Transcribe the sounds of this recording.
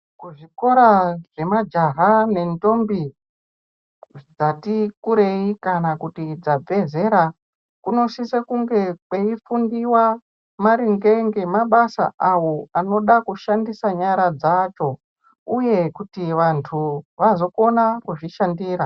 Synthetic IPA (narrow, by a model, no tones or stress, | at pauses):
kuʐiko̞ɾaʐ̥e̞mad͡ʒaɦane̞nto̞mbi | d͡zatikuɾe̞ikanakutid͡zab͡vʱe̞ze̞ɾa | kuno̞sisekuŋɡe̞kwe̞ifundiwa | maɾiŋɡe̞ŋɡe̞maɓasa̰ʔawoano̞ɗakuʃandisaɲaɾad͡zat͡ʃo̞ | uje̞kutiʋantʰuʋazo̞ko̞nakuʐiʃandiːɾa